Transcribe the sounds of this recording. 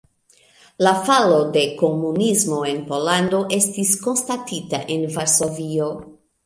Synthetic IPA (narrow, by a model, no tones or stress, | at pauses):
lafalo̞de̞ko̞munizmo̞e̞npo̞lando̞ʔe̞stisko̞nstatita̰ʔe̞nvaɾso̞vio